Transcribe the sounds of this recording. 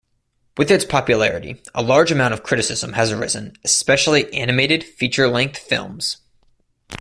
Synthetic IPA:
wɨðɨtspʰɑpjɨlɛɹɨɾḭʔə̰lɑɹd͡ʒɨmãʊ̃ñʌv̥kʰɹ̥ɪɾɨsɪzə̃mɨzə˞ɪ̰zɨ̰̃nɨspɛʃl̩ˠiʔænɨmeɪɾɨd̥fit͡ʃə˞lɛ̃ŋk̚θfɪ̰lˠmz̥

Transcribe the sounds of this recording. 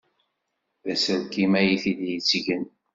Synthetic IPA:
ðæsəɾkimæjiθid̪jət͡sːʝən

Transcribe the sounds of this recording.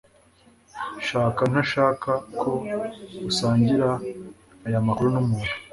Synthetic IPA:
ʃaːkan̥aʃaːkakʰo̞ɡusaːɲɟiɾaː | jamakuɾunumuːn̥u̥

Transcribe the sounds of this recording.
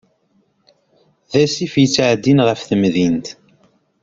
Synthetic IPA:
ðæsifjət͡sːʕd̪ːinʁəfθəmðint̪

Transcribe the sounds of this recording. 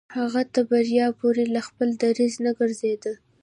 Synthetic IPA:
haɣat̪aɾbaɾjɑpoɾelaxpəld̪aɾiznaɡəɾzed̪ə

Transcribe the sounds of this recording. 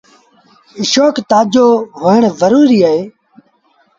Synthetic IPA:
ɪʃoːkt̪aːd͡ʒoːɦoːəɳzəɾuːɾiːaɦeː

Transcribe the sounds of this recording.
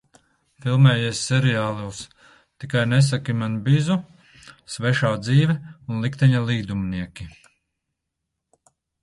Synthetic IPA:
filˠmɛːjesʲːɛɾiaːlˠuws | t̪ikajnɛs̬akimanbizu | svɛʃaːd̪ziːvɛunlˠikt̪ɛɲalˠiːd̪umniɛkʲi

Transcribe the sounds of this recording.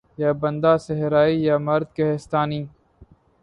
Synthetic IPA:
jaːbɐ̃nd̪aːseɦɾaːijaːmɐɾd̪̚keɦest̪aːniː

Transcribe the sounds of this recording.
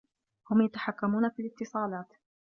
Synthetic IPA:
hʊmjat̪ḁħakːamuːnafilɪt̪ːɨsˤɑːlɑːt̪

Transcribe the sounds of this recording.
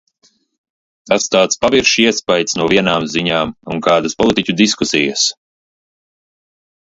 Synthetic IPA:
t̪ast̪aːt̪spaviɾʃiɛspajt̪snuɔviɛnaːmziɲaːmunkaːd̪aspɔlˠit̪icʲud̪iskusijəs

